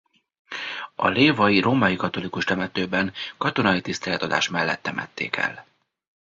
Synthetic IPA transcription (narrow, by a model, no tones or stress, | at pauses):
ɒ̰leːvɒjiɾʔoːmɒjikɒt̪o̞likuʃt̪ɛmɛt̪øːbɛŋkɒt̪o̞nɒjit̪ist̪ɛlɛt̪ɒd̪a̰ːʃmɛlːɛ̰t̪ːɛmʔɛ̰t̪ːḛːkɛ̰l